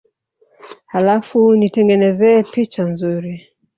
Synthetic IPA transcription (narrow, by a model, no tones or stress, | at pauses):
halafunitɛŋɡɛnɛzɛːpit͡ʃanzuɾi